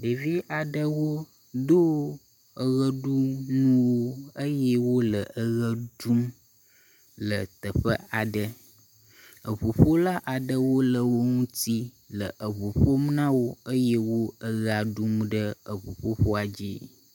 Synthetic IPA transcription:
ɖe˨vi˦ʔa˨ɖə˦wo˦ | d̪o˦ | ə˦ɣə˦ɖu˦nũ˦wo˦ə˦jɛ˦wo˦lə˨ʔə˦ɣə˦ɖu˦m | lə˨t̪ə˨ɸə̰˦a˨ɖə˦ | ə˨βu˨ɸo˦la˦ʔa˨ɖə˦wo˦lə˨wo˦ŋũ˦t̪i˦ | lə˨ʔə˨βu˨ɸo˦m˦nã˦wo˦ə˦je˦wo˦ə˦ɣa˨ɖu˦mɖə˦ə˨βu˨ɸo˦ɸo˦a˨d͡ʑḭ˦

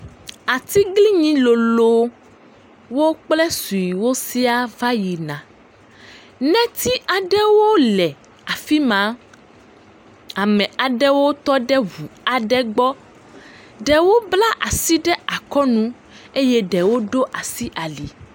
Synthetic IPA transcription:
a˨t̪i˦ɡli˦ɲĩ˦lo˨lo˦ | wo˦k͡plɛ˦su˨ji˨wo˦si˦a˦va˦ji˨nã˨ | nɛ̃˦t̪ʰi˦ʔa˨ɖɛ˦wo˦lɛ˨ | a˨fi˦mã˨˦ | a˨mɛ̃˨a˨ɖɛ˦wo˦t̪ɔ˦ɖɛ˦ɦu˨a˨ɖɛ˦ɡ͡bɔ˦ | ɖɛ˨wo˦bla˦ʔa˨si˦ɖɛ˦a˨kɔ˦nũ˦ | e˦jɛ˦ɖɛ˨wo˦ɖo˦ʔa˨si˦ʔa˨li˨

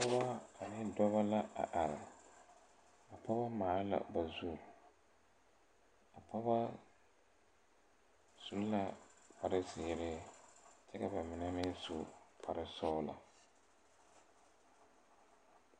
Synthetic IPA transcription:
pa˦ba˦a˨nɪ˦dɔ˦βa˦la˦a̰˨ʔa˨ɾɪ˨ | a˨pa˦ba˦maː˨˦la̰˨ba˨zu˦˨ | a˨pa˦ba˦ | z̥u˨lla˦pa˨ɾɪ˦zɪ˨ɾɪ˦t͡ʃɛ˦ka˨ba˨mɪ˨nɛ˦mɪ˦n˦sʊ˨pʰa˨ɾɨ˦sɔ˦ʊ˦la̰˨

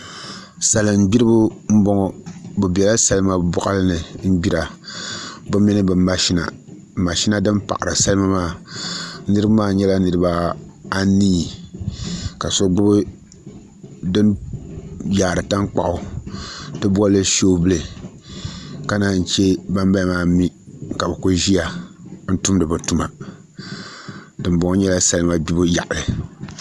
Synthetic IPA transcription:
sa˨lɨ˨m˦bi˦ɾɨ˦bʊ˦m̩˦bɔ˦ŋɔ˨bu˨bɛ˨la˦sa˦lɨ˦ma˦bɔ˦ʔa˦lɨ˦nɨ˨m̩˦bi˦ɾa˨ | bʊ˦mi˦nɨ˦bɨ˨ma˨ʃi˦na̰˨ | ma˨ʃi˦na˦dɨ˦npa̰˨ʔa˨ɾɨ̰˨sa˦lɨ˦ma˦maː˦˨ | nɨ˦ɾɨ˦bmaː˦ɲɛ˦la˦nɨ˨ɾɨ˦ba˦a˦niː˦˨ | ka˨so˦ɡ͡bʊ˦bɨ˦ | dɨ˦n | jaː˨ɾɨ˨ta˦ŋk͡pa˦˨ʔʊ˦ | tɨ˦bɔ˦lːɨ˦ʃo˦bɨ˦le˨ | ka˦na˨n̩˨t͡ʃɛ˦ba˦mba˦˨maː˦˨mi˦ka˨bɨ˨ku˦ʒi˦ja˨n̩˦tu˦mdɨ˨bɨ˨tu˦ma˨ | dɨ˨m˦bɔ˨ŋ˦ɲɛ˦la˦sa˦lɨ˦ma˦bi˦bɨ˦ja̰˨ʔʊ˨lɨ˨

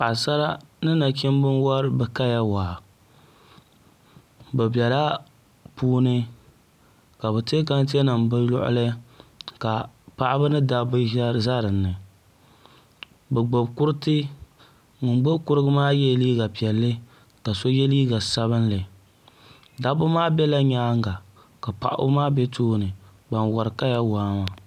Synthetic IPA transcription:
a˨sa˦ɾa˦nɨ˦na˨k̬ɛ˦m˦bɨ˦nwa˦ɾɨ˦bɛ˨ka˦ja˦waː˨ | bɛ˨bi˨ɛ˨la˦ | puː˦nɨ˦ | ka˨bɛ˨te˦ka˦n˦t̬e˦nɨ˨mbɨ˦lʊ̰˦ʔʊ̰˦lɨ˦ka˨pa˦ʔa˦bɨ˦nɨ˦da˦bɨ˦za˦ɾɨ˨nːɨ˨ | bɛ˨ɡ͡bo˨bkʊ˦ɾɨ˦tɨ˦ | ŋʊ˨nɡ͡bo˦bkʊ˦ɾɨ˦ɡɨ˦maː˦jɛ˦liː˦ɡa˨pi˨ɛ˨lːɨ˦ | ka˨so˦jɛ˦liː˦ɡa˨sa˦βɨ˦nlɨ˨ | da˦bʊ˦maː˦bɛ˦la˦ɲaː˦ŋ˦ɡa˨ | ka˨pa̰˨ʔa̰˦maː˦bɛ˦toː˦nɨ˨ | ba˨nwa˨ɾɨ˨ka˦ja˦waː˦ma˨

